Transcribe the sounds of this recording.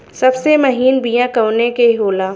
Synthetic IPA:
sɐbsemɐɦiːnbijãkɐwnekeɦoːlaː

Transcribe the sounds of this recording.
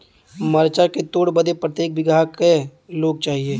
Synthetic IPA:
məɾt͡ʃaket̪oːɽbəd̪epɾət̪jeːk̚bɪɡʱaːkeloːɡ̚t͡ʃaːɦieː

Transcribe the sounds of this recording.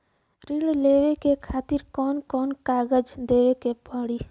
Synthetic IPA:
ɾiɽleːʋekekʰaːt̪ɪɾkɔːnkɔːnkaːɡəd͡ʒd̪eːʋekepəɽiː

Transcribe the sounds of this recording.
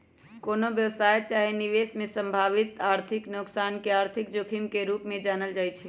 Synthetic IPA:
koːnobjəʋsajt͡ʃaɦiniʋesmẽsəmbʱaʋit̪aɾt̪ʰiknʊksankeaːɾt̪ʰik̚d͡ʒokʰimkeɾupmẽd͡ʒaːnəld͡ʒaːjt͡ʃʰɛ

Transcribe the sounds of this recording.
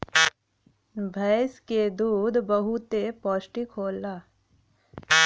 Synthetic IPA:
bʱɐːsked̪uːd̪bɐɦut̪epɔːsʈikʰoːlaː

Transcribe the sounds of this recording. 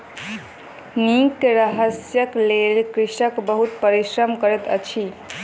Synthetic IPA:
nikɾəɦəsjəklelkɾiʃəkbəɦut̪̚pəɾiʃɾəmkəɾet̪ə̰t͡ʃʰi

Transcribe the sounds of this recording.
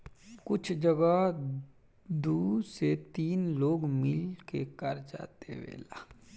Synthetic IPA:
kʊt͡ʃʰd͡ʒəɡa | d̪uːset̪iːnloːɡmɪlkekəɾd͡ʒa̰ːt̪ḛʋḛːlaː

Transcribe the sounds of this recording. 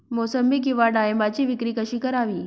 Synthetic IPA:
mosəmbikiʋaɖajembat͡ɕiːʋɪkɾikəʃiːkəɾaʋiː

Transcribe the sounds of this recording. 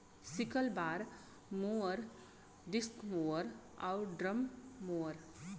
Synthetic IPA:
sikəlbaɾ | moəɾ | ɖɪskmoəɾ | a̰ʊɖɾəmːoəɾ

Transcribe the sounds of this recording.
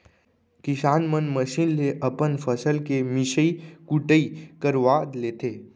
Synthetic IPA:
kɪʃaːnmənməʃinleʔɐpənfʰəsəlkemɪʃəikuʈəikəɾʋaːd̪leːt̪ʰeː

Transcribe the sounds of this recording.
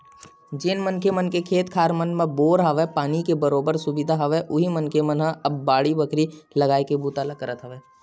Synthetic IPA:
d͡ʒeːnmənkemɐnkekʰeːt̪kʰaːɾmənmẽboːɾɦaʋɛpaːnikebɐɾoːbəɾsʊbɪd̪ʱaɦɐʋɛʔʊɦimɐnkemɐnɦãɐbːaːɽibɐkʰɾilɐɡaːekebuːt̪aːlakɐɾət̪ɦɐʋɛː

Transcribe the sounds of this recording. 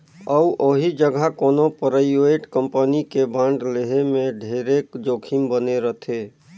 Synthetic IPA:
əuʔoɦid͡ʒəɡʱakoːnopəɾəjueʈkəmpənikebãːɳɖleɦemẽɖʱeːɾekd͡ʒoːkʰimbəneɾət̪ʰe

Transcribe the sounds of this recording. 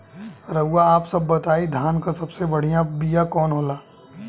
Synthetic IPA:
ɾɐɦuaaːpsɐbːɐt̪aːid̪ʱaːnkasɐbsebɐɽ̤ijãbijakɔːnɦoːlaː

